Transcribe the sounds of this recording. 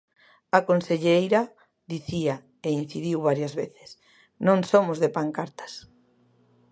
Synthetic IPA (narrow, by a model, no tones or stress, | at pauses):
akonseʎejɾa | ðiθia | ein̟θiðiwβaɾjazβeθɪ̥s | nõŋsomʊzðepaŋkaɾt̪ḁs